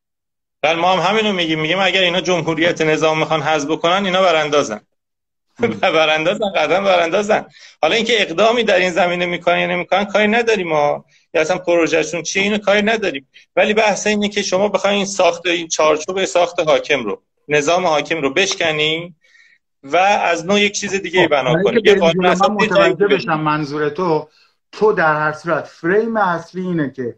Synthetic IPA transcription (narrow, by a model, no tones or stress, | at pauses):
vælmɒːhæmɦæmiːnomiɟiːmːiɟiːmæɟæɾiːnɒːd͡ʒo̞mɦuːɾijæt̪ʰene̞zɒːmːixɒnɦæzbokʰo̞næniːnɒːbæɾænd̪ɒːzæ̰n | bbæɾænd̪ɒːzænɡæd̪ɾænbæɾænd̪ɒːzænhɒːlɒːiːŋcʰeeɣd̪ɒːmiːd̪æɾinzæmiːne̞miːkʰonænjɒːne̞miːkʰo̞nænkʰɒːɾiːnæd̪ɒːɾiːmɒː | jæsænpʰoɾoʒæʃunt͡ʃʰijeiːnokʰɒːɾinæd̪ɒːɾiːmvæliːbæhseiːnecʰe̞ʃo̞mɒːbe̞xɒjiːnsɒːxt̪eint͡ʃʰɒːɾt͡ʃʰubesɒːxt̪e̞ɦɒːcʰe̞mɾo̰ | ne̞zɒːmehɒːcʰe̞mɾobe̞ʃcʲæniː | vææznoːje̞c̚t͡ʃʰiːze̞d̪iːɟejiːbænɒːkonijeɡɒːnunæsæbed̪uimd͡ʒeeʃæmːænzuːɾet̪ʰo | t̪ʰod̪æɾhæɾsuːɾæt̪fɾejmeæsliːiːnecʰe